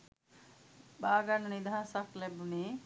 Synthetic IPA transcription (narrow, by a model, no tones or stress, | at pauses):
baɡannid̪ʱãsaklebuni